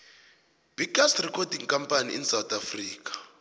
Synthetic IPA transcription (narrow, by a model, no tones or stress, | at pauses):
b̥ʱiɡastrikʰɔdʱiŋkʼampʼanḭʔḭnsawt̪ʰʼafriːkḁ